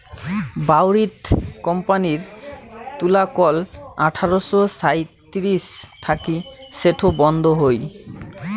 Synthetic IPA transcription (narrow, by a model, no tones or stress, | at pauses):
bawɾit̪kɔmpaniɾt̪ulakɔlaʈʰaɾoʃosajt̪iɾist̪ʰakiseʈʰobɔnd̪ʱoɦoj